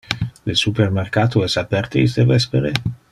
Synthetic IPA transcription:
lesupermerkaːt̪oɛsapɛrt̪eis̬d̪evɛspeɾe

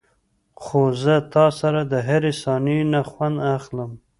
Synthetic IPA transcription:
xozət̪ɑsaɾad̪əɦaɾesɑninaxwand̪axləm

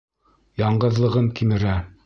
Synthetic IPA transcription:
jɑɴɢɤ̆ðlˠɤ̆ʁɤŋkimɘ̆ɾæ

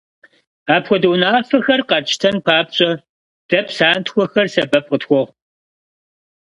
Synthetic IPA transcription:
aːpxʷɔdɐwnaːfɐxɐrqɐrt͡ʃʰʼɪ̥tʰɐnpʰaːp̚ɕʼɐ | d̥ɐpʰsaːntʰxʷɔxɐrsɐbɐp̚ʼqʼətxʷɔʁ

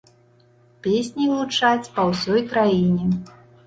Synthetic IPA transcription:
pʲesʲnʲilˠut͡ʂat͡sʲpɐwsʲɔjkɾajinʲɛ

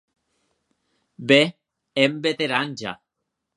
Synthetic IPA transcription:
be | embet̪eɾand͡ʒa̰

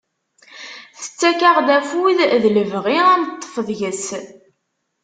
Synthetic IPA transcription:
θə̥t͡sːækaʁd̪æfuiððləvʁiænət̪ˤːə̥fəðˤʝəs

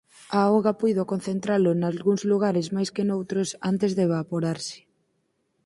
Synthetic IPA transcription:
aoɣapujðokon̟θent̪ɾalʊnalɣuŋzluɣ̞aɾɪzmajskɪnowt̪ɾosa̰nt̪ɪzðeβapoɾaɾsɪ̥

